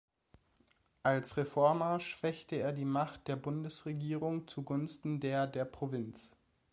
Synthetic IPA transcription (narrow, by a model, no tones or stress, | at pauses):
ʔalsʁefɔɐmɐʃv̥ɛçtəeːɐdiːmaχt̚d̥eːɐbʊndəsʁeɡiːʁʊŋt͡suɡʊnstn̩deːɐdeːɐpʁ̥ovɪnt͡s